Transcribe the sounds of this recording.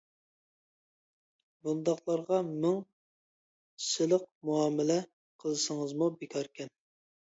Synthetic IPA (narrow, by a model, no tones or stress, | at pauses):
bund̪ɑqlˠɑɾʁɑmɪŋ | sɪlˠəq̚muɑːmɪlɛ | qʰəlˠɨsəŋəzmubekʰɑɾkʲʰɛn